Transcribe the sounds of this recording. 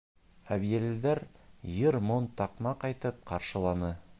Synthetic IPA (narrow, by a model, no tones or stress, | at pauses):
æβijælɘ̆d̪æɾjɤɾmont̪ɑqmɑqɑjt̪ɤp̚qɑɾʃɤ̆lˠɑnɤ